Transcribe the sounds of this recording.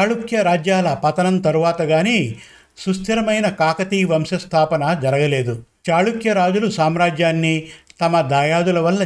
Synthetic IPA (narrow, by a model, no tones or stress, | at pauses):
aːɭukʰjɐɾaːd͡ʒjaːlɐpɐt̪ɐnɐnt̪ɐɾuʋaːt̪ɐɡaːniː | sust̪ʰiɾɐmɐjnɐkaːkɐt̪iːʋɐmʃɐst̪ʰaːpɐnɐd͡ʒɐɾɐɡɐleːd̪ut͡ʃaːɭukjɐɾaːd͡ʒulusaːmɾaːd͡ʒjaːnːit̪ɐmɐd̪aːjaːd̪ulɐʋɐlːɐ